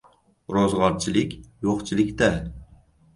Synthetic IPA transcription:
ɾozʁɒɾt͡ʃʰɪlɪkʲjoqt͡ʃʰɪlɪkʲt̪a

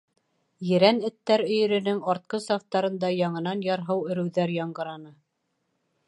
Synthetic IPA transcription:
jɘ̆ɾænɘ̆t̪ːæɾɵ̆jɵ̆ɾɵ̆nɘŋɑɾt̪̚qɤsɑft̪ɑɾɤ̆nd̪ɑjɑɴɤ̆n̪ɑnjɑɾɦɤwɵ̆ɾɵ̆wðæɾjɑɴɢɤ̆ɾɑnɤ

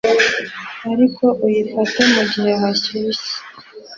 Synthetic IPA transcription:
aɾikʰo̞ʔujifatamuɟihe̞ɦaciisi̥

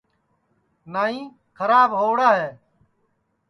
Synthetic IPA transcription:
naːĩː | kʰəɾaːbɦoːɽaːɦɛː

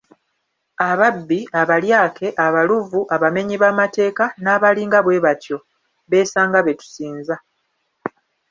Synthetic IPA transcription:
aβabːiaβaljaːkʰe̞ʔaβaluvuʔaβame̞ɲiβamate̞ːkanaːβaliːŋɡaβwe̞ːβatjo̞ | βe̞ːsaːŋɡaβe̞tu̥siːnza

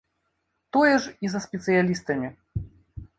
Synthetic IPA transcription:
t̪ɔjɛʐizɐsʲpʲɛt̪sɨjalʲist̪ɐmʲi

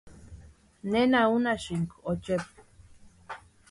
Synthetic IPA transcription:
nenaunaʃiŋkot͡ʃep̚

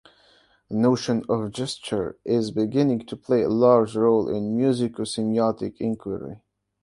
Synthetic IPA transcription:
ənoʊʃɨ̃nʌvd͡ʒɛst͡ʃə˞ɪzbɪɡɪ̃nɪ̃ŋtʰəpʰl̥eɪə̰lɑɹd͡ʒɹoʊlˠʔɪ̰̃nmjʉzɪkosɪ̃miɑtɪ̰kʰɪ̃ŋkʰwə̰ɹḭ

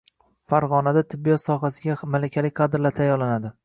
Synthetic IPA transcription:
faɾʁɒnad̪at̪ʰɪbːijɒt̪sɒɦasɪɡʲamalakʲʰalɪkʲqʰɑd̪ɪɾlaɾt̪ʰajɒɾlanad̪ɪ

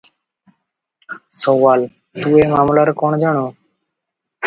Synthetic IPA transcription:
soːʋaːl | t̪uːeːmaːmlaːɾːkoːɳd͡ʒaɳoː

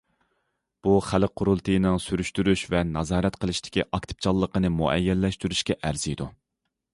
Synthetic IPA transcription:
b̥uχælqʰːʊɾulˠt̪ʰɨjnɪŋsyɾyʃt̪yɾyʃvɛnɑzɑːɾɛt̪qʰəlˠɨʃt̪ʰɪ̥kʲiʔɑk̚t̪ʰɨ̥p̚t͡ʃʰɑlˠːəqənɨmuʔɛ̰jːɛlːɛʃt̪yɾyʃkʲɛʔæɾz̥ijd̪u

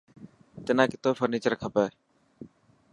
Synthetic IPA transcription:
t̪enaːkɪt̪oːfʰəɾniːt͡ʃəɾkʰapaː

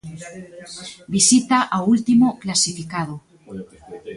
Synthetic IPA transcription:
bisit̪aʔawult̪imoklasifikað̞o

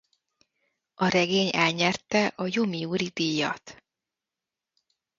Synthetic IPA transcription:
ɒɾɛɡeːɲɛlɲɛrt̪ɛʔɒjomiuːɾid̪ijɒ̰t̪

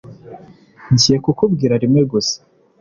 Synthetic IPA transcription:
ɲzijekukubɡiːɾaɾimŋweɡose̥

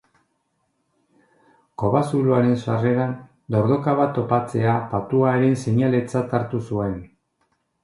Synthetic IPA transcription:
ko̞βasuluaɾe̞nsare̞ɾan | d̪o̞ɾðo̞kaβat̪ːopat͡se̞apat̪uaeɾe̞nseɲale̞t͡sat̪aɾt̪usue̞n

